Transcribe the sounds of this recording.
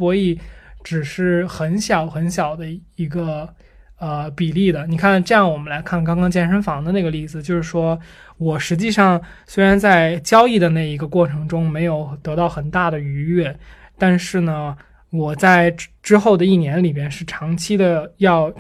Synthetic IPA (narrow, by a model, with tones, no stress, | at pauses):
pwɔ˧˥i˥˩ʈ͡ʂɻ̩˨˩ʂɻ̩˥˩xə˧˥nɕjɑ˨˩˦ʊxə˧˥nɕjɑ˨˩ʊd̪ə˦i˧˥ɡə˧ | ə˧pi˨˩li˥˩d̪ə˩ni˨˩kʰa˥˩nʈ͡ʂɤ˥˧jɑ˥˩ŋwɔ˨˩mə˦nla˧˥ɪkʰa˥˩nkɑ˥ŋkɑ˥ŋt͡ɕjɛ˥˩nʂə˥nfɑ˧˥ŋd̪ə˧ne˥˩ɡə˩˧li˥˩d͡zɹ̩˩t͡ɕjo˥˧ʊʂɻ̩˥˩ʂwɔ˥ | wɔ˨˩ʂɻ̩˧˥t͡ɕi˥˧ʂɑ˥˧ŋswe˥ɪɻa˧˥nt͡sa˥˧ɪt͡ɕjɑ˥ʊi˥˩d̪ə˩na˥˩ɪi˧˥ɡə˧kwɔ˥˩ʈ͡ʂʰɤ˧˥ŋʈ͡ʂʊ˥ŋme˧˥ɪjo˨˧˩ʊt̪ɤ˧˥t̪ɑ˥˩ʊxə˨˩nt̪a˥˩d̪ə˩y˧˥ɛ˥˩t̪a˥˧nʂɻ̩˥˩nə˩ | wɔ˨˩t͡sa˥˩ɪʈ͡ʂɻ̩˥xo˥˩ʊd̪ə˩i˥˩njɛ˧˥nli˨˩pjɛ˥nʂɻ̩˥˩ʈ͡ʂʰɑ˧˥ŋt͡ɕʰi˥d̪ə˧jɑ˥˧ʊ